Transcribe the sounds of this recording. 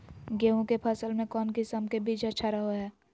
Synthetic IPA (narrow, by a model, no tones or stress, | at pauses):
ɡeːũkepʰɐsəlmẽkɔːnkɪsəmkebʱiːt͡ʃɐtːʃʰaɾəɦoɦɛː